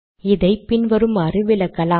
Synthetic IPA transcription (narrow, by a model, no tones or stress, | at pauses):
ɪðɐɪpɪnʋɐɾɯmɐɾɯʋɪlɐkːɐlaː